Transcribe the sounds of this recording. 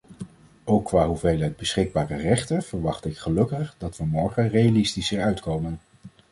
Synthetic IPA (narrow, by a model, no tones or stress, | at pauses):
owkːʋaːɦuvejlœɥd̚bəsχɪɡ̚baːrərɛχtənv̥əɹʋɑχtɪkχəlɵkəχdɑtʋəmɔɹχənrejalɪstisəɹœɥtkowmən